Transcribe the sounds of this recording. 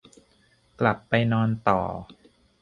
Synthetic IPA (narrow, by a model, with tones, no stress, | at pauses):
kla˨˩pːa˧jnɔː˧nt̪ɔ̰ː˨˩